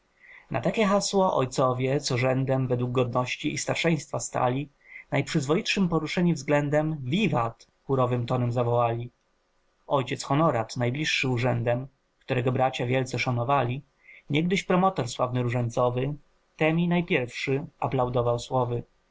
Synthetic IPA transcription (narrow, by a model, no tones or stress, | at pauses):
nʔa̰t̪akʲɛxaswɔʔɔ̰jt̪sɔvʲjɛt̪sɔʐɛnd̪ɛmvɛd̪wuɡ̚ɡɔd̪nɔɕt͡ɕiist̪aɾʂɛj̃st̪fast̪a̰lʲi | najpʂɘzvɔjitʂɘmpɔɾuʂɛɲivzɡlɛnd̪ɛmvʲivat̪ | xuɾɔvɘmt̪ɔnɛmzavɔwalʲi | ʔɔjt͡ɕɛtsxɔnɔɾat̪najblʲiʂːɘuʐɛnd̪ɛm | kt̪uɾɛɡɔbɾat͡ɕavʲjɛlt̪sɛʂanɔvalʲi | ɲɛɡd̪ɘɕpɾɔmɔt̪ɔɾswavnɘɾuʐɛɲt̪sɔvɘ | t̪ɛmʲinajpʲjɛɾfʂɘaplawd̪ɔvawswɔvɘ